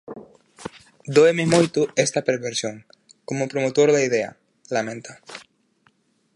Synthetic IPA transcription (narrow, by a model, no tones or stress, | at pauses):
d̪oememojt̪ʊest̪ɐpeɾβeɾsjoŋ | komʊpɾomot̪oɾðaið̞eɐ̰ | lamẽnt̪a